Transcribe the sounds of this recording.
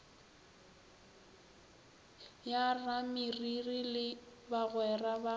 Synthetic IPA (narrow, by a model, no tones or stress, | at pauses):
jaramɪririlɪbaɣwɛraba